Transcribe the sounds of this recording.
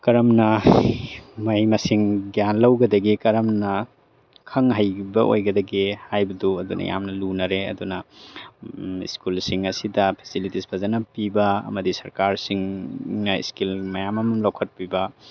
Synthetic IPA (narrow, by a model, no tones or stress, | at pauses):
kɐɾɐmnɐ | mɐjmɐsiŋɡjanlɐwɡɐdɐɡikɐɾɐmnɐ | kʰɐŋɦajbɐʔo̰jɡɐdɐɡihajbɐduɐdunʔɐ̰ja̰mnɐlunɐɾeɐ̰dunɐ | ḭskulsiŋɐsidɐpʰe̥silitispʰɐzɐnɐpibɐɐ̰mɐdisɐɾkaɾsiŋnɐḭskilmɐjamɐmɐmlɐwkʰɐt̚pibɐ